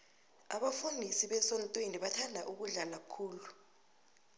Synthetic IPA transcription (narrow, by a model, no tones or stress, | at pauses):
a̰ɓafundʱisiɓɛsɔntʼweniɓatʰandʱaʔuk̬uɮalakʰuːlu